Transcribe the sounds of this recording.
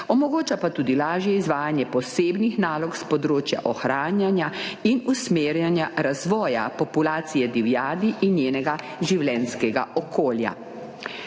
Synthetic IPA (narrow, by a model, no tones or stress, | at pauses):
ɔmɔɡoːt͡ʃapat̪uːd̪ilaːʒjɛizʋaːjanjɛpɔseːbnixnaːlɔkspɔd̪ɾoːt͡ʃja̰ʔɔxɾaːnjanjainusmeːɾjanjaɾazʋɔːja̰pɔpulaːt̪sijɛd̪iwjaːd̪iʔinjeːnɛɡa | ʒiwlɛnskɛɡa̰ʔɔkoːlja̰